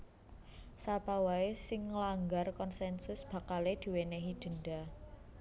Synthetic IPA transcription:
sapawaesɪŋːəlaŋɡarkɔnsɛnsʊsb̥ä̤kaled̪̥i̤wenɛɦid̪̥ə̤nɖa

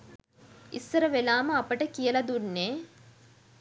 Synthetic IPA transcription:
isːəɾəʋelaːməɐpəʈəkijəlɐd̪unːeː

